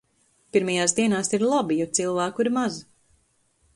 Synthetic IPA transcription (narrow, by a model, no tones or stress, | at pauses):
piɾmajaːsd̪iɛnaːsiɾlˠabijɔt̪silˠvæːkuiɾmaz